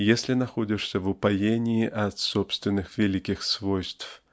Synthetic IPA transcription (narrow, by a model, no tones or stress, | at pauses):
jesʲlʲinaxɔd͡zʲɪʂsʲɐvʊpajenʲiːʔɐt̪sɔpst̪vʲɪnːɨxvʲɛlʲikʲixsvɔjst̪f